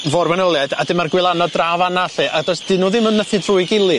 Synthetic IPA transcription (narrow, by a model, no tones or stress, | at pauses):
vɔrmɛnəlˠjada̰dɪmarɡwɪlˠanɔdravanaɬɨʔadɔsd̥ɪnːuːðɪmənːəθɨdrʊːɨɡɪlˠɨ